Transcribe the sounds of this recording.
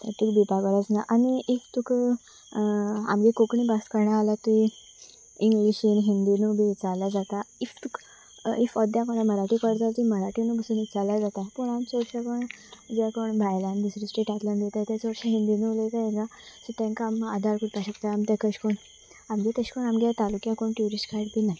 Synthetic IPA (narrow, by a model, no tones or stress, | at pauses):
t̪ʰikbipaɡəɾat͡snaʔaniʔift̪uk | a̰md͡ʑikokɳibaskəɾɳaːlat̪ui | iŋɡliɕinɦind̪inubʱit͡saljad͡zat̪aift̪uk | ifɔd̪jakɔnaməɾaʈikəɽt̪at̪iməɾaʈinubəsunit͡saljad͡zat̪aɦpuɳamt͡soɾɕakəɳd͡ʑakoɳbʱajlãnbisɾisʈɾeʈat̪lanɡ̪et̪at̪at͡sɔɽɕaɦind̪inulət̪ajeɡasət̪ẽŋkamad̪ʱaɾkuʈpaɕəkt̪aamt̪akəɕkoɳ | amɡet̪əɕkoɳamɡjat̪alukjãkoɳʈjuɾisʈkaʈbinaɦi